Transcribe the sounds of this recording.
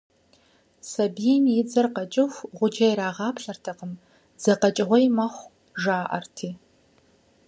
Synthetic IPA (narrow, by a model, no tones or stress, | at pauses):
sɐbijɛmjɪd͡zɐrqɐt͡ʃʼɪxʷʁʷʊd͡ʒɐjɾaːʁɑːpɬɐrtʰɐqəm | z̥ɐqɐt͡ʃʼɪʁʷɔjmɐχʷ | ʒaːʔɐ̰rtʰiː